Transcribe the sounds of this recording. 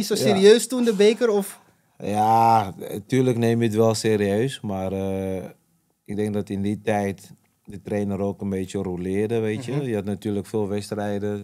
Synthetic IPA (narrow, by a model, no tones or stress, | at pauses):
isoseːɾiøːstundəbeːkəɾɔf | ja | tyːləkneːmjət̬ʋɛlˠseːɾiøːsmarə | ɪɡ̚dɛŋk̚dɔtɪnditɛjt | dətreːnəɾoːkənbeːtjərulɪədəʋeːtjəjəatnatyːləkfeːlˠʋɛstrɛjdə